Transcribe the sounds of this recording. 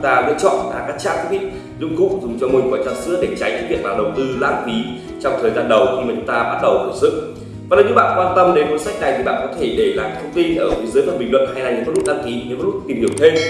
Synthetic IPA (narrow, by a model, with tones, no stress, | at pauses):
t̪aː˧lɨ̰˧ət͡ɕɔ̰˧˨nla̰ː˨˩kaː˦˥t͡ɕa̰ː˧˥kk̚ɓḭ˧˨ | zʊ̰˧ŋ͡mkṵ˧˨zʊ˨˩ŋ͡mt͡ɕɔ˧mo˧˩nkɔ˨˩jt͡ɕaː˧˩nsɨ̰˧˥əɗe˧˩t͡ɕa˨˦jt͡ɕɨ˧˦˥vḭ˧˨ək̚laː˨˩ɗə˨˩wŋ͡mt̪ɨ˧laː˧˥nfi˨˦ | t͡ɕɔ˧wŋ͡mt̪ʰəː˨˩jzaː˧nɗə˨˦wxʰi˧maː˨˩t͡ɕŋ͡mt̪aː˧ɓa˦˥t̚ɗə˨˩wt̪u˧˩n̚sɨ̰˧˨ŋ̚ | vaː˨˩ɗə˨˦ɲɨ̰˧˥ɓa̰ː˧˨nkwaː˧nt̪ə˧mɗe˨˦nvo̰˧˥˦sa˦˥k̚na˨˩jt̪ʰi˨˩ɓa̰ː˧˨nkɔ˨˦t̪ʰe˧˩ɗe˧˩laː˨˩t̪ʰə˧wŋ͡mt̪i˧nʔəː˧˩vi˨˦zɨ˨˦jmaː˨˩ɓï˨˩ŋ̟lwə̰˧˨nhaː˧jna˧jɲḭ˧˨˦mɔ˦˥t̚lt̚ɗaː˧ŋki˨˦˨mɔ˦˥t̚u˦˥t̪i˨˩mhi˧˩əwt̪ʰe˧m